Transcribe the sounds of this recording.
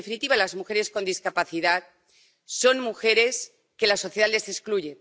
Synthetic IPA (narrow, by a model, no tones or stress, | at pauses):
efinit̪iβalazmuxe̞ɾe̞sko̞nd̪iskapaθiðat̪̚ | so̞nmuxe̞ɾe̞s | ke̞laso̞θjeale̞seskluʝe̞